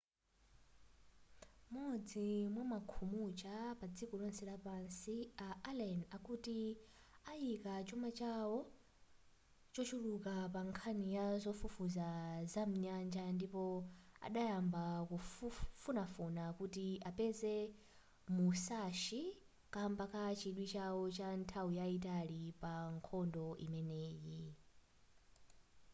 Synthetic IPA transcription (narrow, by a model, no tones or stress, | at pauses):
mɔd͡zimwamakʰumut͡ʃʼapad͡zikɔɺɔnsɛɺapansiaʔalɛnakuti | ajikat͡ʃɔmat͡ʃawɔ | t͡ʃɔt͡ʃʰuɺukapaŋkʰanijazɔfufuzazam̩ɲand͡ʒandipɔa̰ɗajambakuffunafunakutiʔapɛzɛ | musaʃi | kʼambakʰat͡ʃʰiɗwit͡ʃawɔt͡ʃantʰawujait̬alipaŋkʰɔndɔʔḭmɛneːji